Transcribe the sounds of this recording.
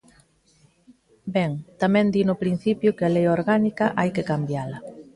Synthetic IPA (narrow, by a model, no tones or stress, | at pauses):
bɛŋt̪amɛ̃nd̪inʊpɾin̟θipjʊkealejoɾɣanikɐʔajkekambjalɐ